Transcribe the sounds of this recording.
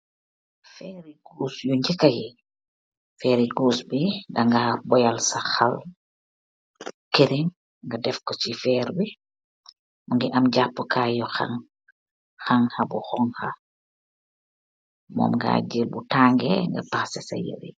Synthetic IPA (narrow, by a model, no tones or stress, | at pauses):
fɛːɾiɡuːsjuɲd͡ʒikaji | fɛːɾiɡuːsbidaŋɡabɔjalsaxal | keɾiŋ | ŋɡadɛfkɔt͡ʃifɛːɾbi | muŋɡiʔamɟapːəkaːjɔxa̰ŋ | xaŋxɐbuxɔŋxa | mɔ̰ːmŋɡa̰ɟilbutaːŋɡɛ̰ŋɡa̰paxsɛsa̰jə̰ɾḭ